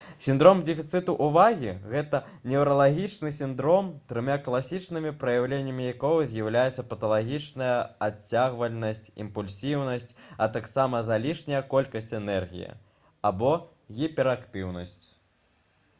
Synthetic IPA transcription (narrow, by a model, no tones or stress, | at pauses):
sʲind̪ɾɔmdʲɛfʲit̪sɨt̪uʔuvaɣʲiɣɛt̪ɐ | nʲɛuɾɐlˠaɣʲit͡ʂnɨsʲind̪ɾɔmt̪ɾɨmʲaklˠasʲit͡ʂnɨmʲipɾɐjawlʲenʲːɐmʲijakɔwɐzʲjɐwlʲajɛt̪sɐpɐt̪ɐlˠaɣʲit͡ʂnɐjɐat͡sʲːaɣvɐlʲnɐsʲt͡sʲḭmpulʲsʲiwnɐsʲt͡sʲɐt̪aksamɐzalʲiʂnʲɐjɐkɔlʲkɐsʲt͡sʲɛnɛrɣʲḭjɐ̰ | abɔ | ɣʲipʲɛɾakt̪ɨwnɐsʲt͡sʲ